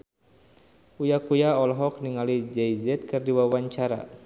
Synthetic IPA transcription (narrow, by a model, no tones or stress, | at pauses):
ujakujaɔlɦɔk̚niŋalid͡ʒɛjzɛt̪̚kɨrdiwawaɲt͡ʃaɾa̰